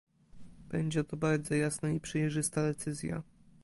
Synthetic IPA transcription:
b̥ɛɲd͡ʑɛt̪ɔbaɾd̪zɔjasnaipʂɛjʐɘst̪ad̪ɛt̪sɘzʲja̰

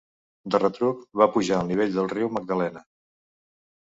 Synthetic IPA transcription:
d̪ərət̪ɾukβapuʒaəlˠniβ̞eʎðəlˠriwməɡ̚d̪əlɛnə

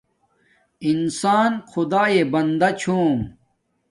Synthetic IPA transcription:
insaːnxʰud̪aːebɐnd̪ɐt͡ɕʰoːm

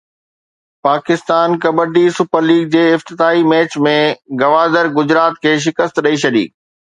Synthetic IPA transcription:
paːkɪst̪aːnkɐbəʈisʊpəɾliːɡ̚d͡ʑeːɪft̪ɪt̪aːimɛːt͡ɕmẽɡɐʋaːd̪əɾɡʊd͡ʑɾaːt̪̚kʰeːʃ̬ɪkəst̪ɗɐit͡ɕʰɐɗḭː

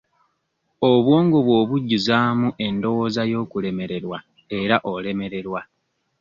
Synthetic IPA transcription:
o̞βwo̞ːŋɡoβwo̞ːβuɟːuzaːmuʔe̞ndo̞wo̞zajo̞ːkule̞me̞ɾe̞ɾwa | e̞ɾaʔo̞le̞me̞ɾe̞ɾwa

